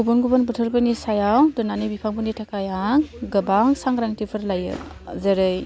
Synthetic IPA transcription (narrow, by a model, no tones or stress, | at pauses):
ɡubunɡubɯnbɯtʰɯɾpɯnisajawdɯnanɯbipʰaŋbunitʰakʰajaŋɡɯbaŋsaŋɡɾaŋtipʰɯɾlajɯ̰zeɾɯj